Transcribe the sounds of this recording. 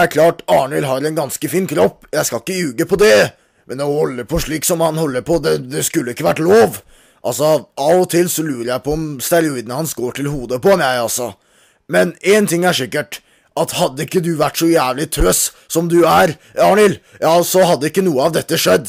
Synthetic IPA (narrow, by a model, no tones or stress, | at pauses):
æɾkʰlɑːʈɑːɳɪlɦɑɾɛnɡɑnskəfiːnkʰɾɔpːjæɪskɑɪkːəjʉːɡəpʰɔd̪ɛ | mɛnɔhɔlːəpʰɔʂɭiːksɔmhɑnhɔlːəɾpʰɔd̪ɛd̪ɛskʉlːəɪkːəʋæʈloːʋ | ʔɑlsɔʔɑːʋɔt̪ʰɪlsɔlʉːɾəɾjæɪpʰɔɔmst̪æɾʊiːd̪ənəhɑnsɡoːʈʰɪlhuːd̪əpɔmæɪɑlsɔ | mɛnɛnt̪ʰɪŋːæʂɪkːəʈ | ʔɑt̪hɑd̪ːəɪkːəd̪ʉʋæʈːsɔjæːʋlɪt̪ʰøːs | sɔmd̪ʉæɾ | ɑːɳɪl | jɑːsɔɦɑd̪ːəɪkːənuːəɑʋd̪ɛt̪ːəʂɛd̪ː